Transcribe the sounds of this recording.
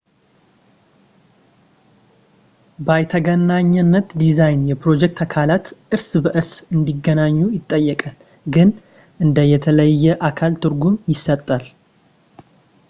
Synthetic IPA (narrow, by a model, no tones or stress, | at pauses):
bajt̪ʰəɡənaɲːənːət̪d̪izajnjɛpɾo̞d͡ʒɛk̚t̪ʰakʰalat̪ʔɨɾsbəʔɨɾsɨnd̪iɡːənaɲːujɪt̪ʼːəjːɛkʼal | ɡɨn | ʔɨnd̪əjɛt̪ʰələjːɛʔakʰalt̪ʰɨɾɡumjɪsːət̪ʼːal